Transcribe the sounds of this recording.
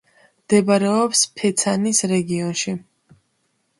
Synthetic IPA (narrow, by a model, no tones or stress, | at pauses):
md̪̥ɛbaɾɛɔpspʰɛt̪sʰanisɾɛɡiɔnʃi